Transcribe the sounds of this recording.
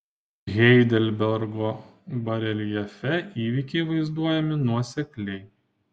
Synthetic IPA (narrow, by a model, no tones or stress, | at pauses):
ɣʲɛɪd̪ʲɛlʲbʲɛɾɡoːbɐɾʲɛlʲjɛfʲɛʔiːʋʲiːˑkʲɛɪʋɐɪzd̪uɔjɛmʲɪnuɔsʲɛklʲɛɪ